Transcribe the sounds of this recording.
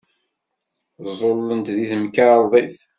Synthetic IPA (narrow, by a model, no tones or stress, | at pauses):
zˤolːənt̪ðiθəmkəɾˤðˤiθ